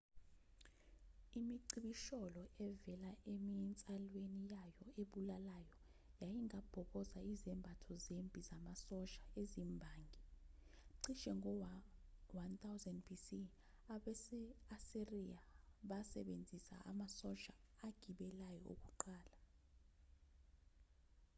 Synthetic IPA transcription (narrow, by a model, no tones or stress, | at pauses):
imiǀiɓiʃɔlɔʔɛvɛlaʔemint͡sʼalwenijajɔeɓulalajɔ | jajiŋab̥ʱɔɓɔzaizɛmbʱatʰɔzembʱʼizamasɔʃaezimbʱaːŋɡʱi | ǀiʃɛŋʱɔwwant̪ʰawzɛndbʰisi | aɓɛɛaseriaɓasɛ̰ɓend͡zʱisa̰ʔa̰masɔʃaːɡ̥ʱiɓɛlajɔo̰k̬uǃaːla